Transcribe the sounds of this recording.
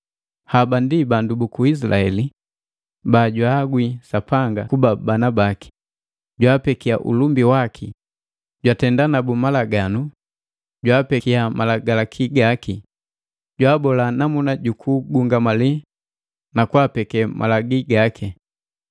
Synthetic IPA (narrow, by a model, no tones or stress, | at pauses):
habandibandubukuis̬laɛli | baɟwaːɡwisapaŋɡakubabanabaki̥ | ɟwaːpɛkiaʔṵlumbiwakʰi | ɟwatɛndanabumalaɡanu | ɟwaːpɛkiamalaɡalakʰiɡaki | ɟwaːbɔlanamunaɟukʰuɡuŋɡamali | nakwapɛkɛmʔa̰laɡiɡakʰi